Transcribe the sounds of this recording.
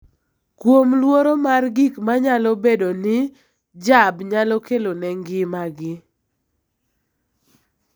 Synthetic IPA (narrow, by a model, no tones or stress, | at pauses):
kwomlwoɾomarɡikmaɲalɔbedonɪ | d͡ʒabɲalɔkelonɛŋɡɪmaɡɪ